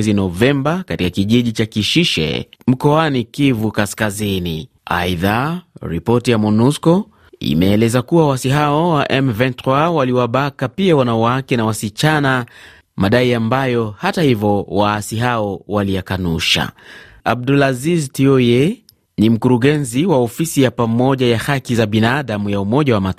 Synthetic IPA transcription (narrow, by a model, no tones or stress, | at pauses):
ɛzinɔvɛmbakatikakiʄiʄit͡ʃakiʃiʃɛ̰m̩kɔanikivukaskazinḭ | a̰iðaɾḭpɔtijamɔnuskɔ | ḭmɛːlɛzakuwawaasiɦaɔwaʔɛmvɛntɾwawaliwaɓakapiawanawakɛnawasit͡ʃana | maɗaiambajɔhatahivɔwasiɦaɔwalijakanuʃa̰ | ab̚dulaziztiɔe | nim̩kuɾuɠɛnziwaɔfisijapamɔʄajahakizaɓinaɗamujaumɔʄawamat